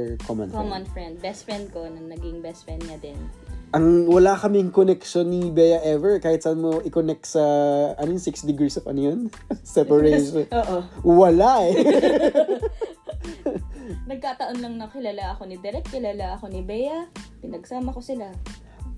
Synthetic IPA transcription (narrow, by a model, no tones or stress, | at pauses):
ɹkomɐ̰nkomɐnfɹɛnd̪̚bɛst̪fɹɛnd̪̚ko̞nɐŋnɐɡɪŋbɛst̪fɹɛnd̪ŋɐd̪ɪnʔɐŋwɐlakɐmɪŋkonɛkʃonːɪbɛjɐʔɛvɛɹkaːhɪt̪sɐʔɐnmoʔɪkonɛk̚t̪sɐʔɐnojnsɪksd̪ɪɡisɐfʔɐ̰njon | sɛpɐɹɛʃooʔowɐlaɛ | nɐɡ̚kaːt̪ɐʔo̞nlɐŋnɐkɪlaːlaʔɐko̞nɪd̪ɛɾɛk̚t̪̚kɪlaːlaʔɐko̞nɪbɛjɐpɪnɐɡsaːmɐkosɪla